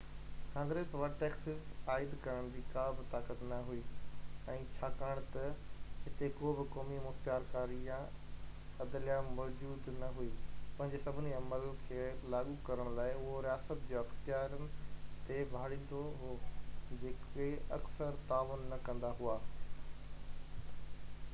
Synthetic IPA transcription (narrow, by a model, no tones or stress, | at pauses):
kãːŋɡɾeːsʋɐʈɛːksɪsaːɪd̪kɐɾəɽ̃d͡ʑiːkaːbɪt̪aːkət̪nɐɦuiːɛ̃ːt͡ɕʰaːkaːɽ̃t̪ɐɦɪt̪ekobɪkɔːmimʊxt̪jaːɾkaːɾijã | ɐd̪lijãmɔːd͡ʑuːd̪nɐɦuiːpɐ̃ɦɪ̃ɲd͡ʑesɐbʱɪniɐməlkʰeːlaːɠukɐɾəɽ̃laːɪʊɦoɾijaːsət̪d͡ʑeːɐxt̪ɪjaːɾənɪ̆t̪ebʱaːɽĩːn̆d̪oɦ | d͡ʑeːkeɐksəɾt̪aːʋʊnːɐkɐ̃nd̪aɦuaː